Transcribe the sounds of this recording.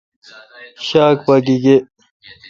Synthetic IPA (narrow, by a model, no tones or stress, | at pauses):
ɕaːk̚pak̬iɡe